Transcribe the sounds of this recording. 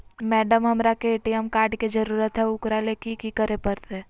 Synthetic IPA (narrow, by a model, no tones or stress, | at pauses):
mɛːɖəmɦɐmɾakeeːʈijəmkaːɾɖkid͡ʒəɾuːɾət̪ɦɛʊkɾalekikikəɾepəɾt̪ɛː